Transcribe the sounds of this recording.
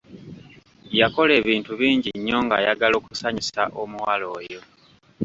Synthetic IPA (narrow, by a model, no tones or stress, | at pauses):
jako̞le̞ːβiːntuβiːɲɟiɲːo̞ŋɡa̰jaɡalo̞ːkusaɲisaʔomuwalo̞ːjo̞